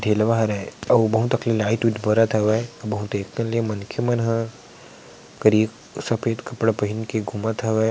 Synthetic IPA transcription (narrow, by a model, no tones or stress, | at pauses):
ɖʱeːlʋaɦɾɛɐbɐɦũt̪ɐklilaːɪʈʋiʈ̪bɐɾat̪ʰɐʋɛbɐɦũt̪eːk̚ʰt̪ɐliemɐnkʰemɐnɦə̃ | kəɾik | sɐpʰeːd̪kɐpɽpɐɦɪnkeɡʱumat̪ʰɐʋɛ